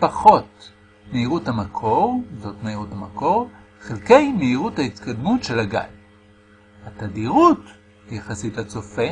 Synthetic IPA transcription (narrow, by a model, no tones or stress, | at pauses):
paχo̞t | meiʁuthamakʰo̞ʁzo̞tmeiʁuthamako̞ʁχilkejmeiʁuthaitkadmutʃe̞laɡa̰j | hatadiʁut | jeχasitat͡so̞fe